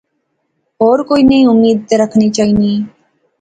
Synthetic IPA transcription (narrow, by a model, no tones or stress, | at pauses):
ɦɔːɾkoːinəĩʊmːiːd̪̚ɾəkʰnit͡ʃaːɦiniː